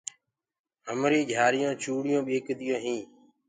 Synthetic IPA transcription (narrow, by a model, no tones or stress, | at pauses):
ɦəmɾiːd͡ʒʱaːɾɪjõːt͡ʃuːɽɪjõːɓeːkd̪ɪjõːɦĩː